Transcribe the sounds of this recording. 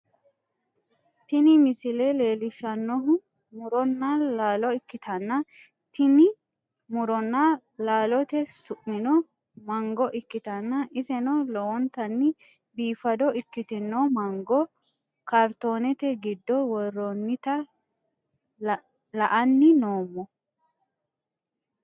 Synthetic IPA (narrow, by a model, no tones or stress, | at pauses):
t̪ɪnɪmɪsɪlɛle̞ːlɪʃɐnːɔɦʊ | mʊɾɔnːɐlaːlɔɪkːɪt̪ʰɐnːɐ | t̪ɪnɪ | mʊɾɔnːɐ | laːlɔt̪ɛsʊʔmɪnɔ | mɐŋɡɔʔɪkːɪt̪ɐnːɐʔɪzɛnɔlɔwɔnt̪ɐnːɪ | biːfɐd̪ɔɪkːɪt̪ɪnːɔmɐŋɡɔ | kɐɾt̪o̞ːnɛt̪ɛɡɪd̪ːɔwɔrːɔnːɪt̪ɐ | lɐʔɐnːɪnoːmːɔ